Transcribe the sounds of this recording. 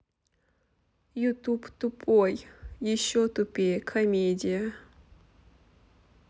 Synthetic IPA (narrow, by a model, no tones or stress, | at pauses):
jʊt̪upt̪ʊpʰʼojjɪɕːot̪ʊpʲekʰɐmʲedʲɪjə